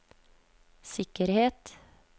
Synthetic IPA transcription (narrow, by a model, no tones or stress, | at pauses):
sɪkəɾheːt̪